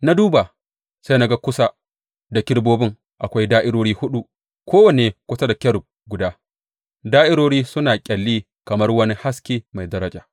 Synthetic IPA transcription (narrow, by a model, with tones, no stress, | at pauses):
na˦duː˦ba˨ | sa˦na˦ɡa˦kʷʊ˦sa˦ | da˨kʲɪ˦ɽboː˦bɪ˦ŋ | ʔa˨kʷa˦jdaː˦ʔɪ˦ɽoː˦ɽiː˦hʊ˦ɗu˦ | kʷʰoː˦wa˨neː˨kʷʊ˦sa˦da˨kʲɐ˦ɽʊ˨b̚ | ɡʷʊ˨daː˦ | daː˦ʔɪ˦ɽoː˦ɽiː˦sʊ˦naː˨kʲʼɐ˨lːiː˦ | kɐ˨mɐ˦rwɐ˦ni˦ha˦skʲeː˦ma˨jdɐ˦ɾɐ˦d͡ʒaː˨